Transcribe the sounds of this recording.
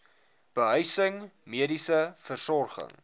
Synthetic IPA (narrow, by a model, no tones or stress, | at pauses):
b̥əɦœɥsəŋmiədisəfərsɔrχə̰ŋ